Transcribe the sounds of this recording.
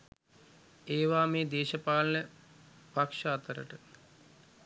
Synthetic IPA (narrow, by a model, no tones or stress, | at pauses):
eːʋaːmeːd̪eːʃɐpaːlɐnə | pakʂɐːt̪əɾə̰ʈə